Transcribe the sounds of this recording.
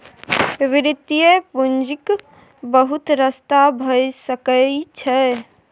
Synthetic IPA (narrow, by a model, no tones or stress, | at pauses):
ʋiɾit̪ijepund͡ʒik | bəɦut̪ɾəst̪abʱəjsəkəit͡ʃʰɛ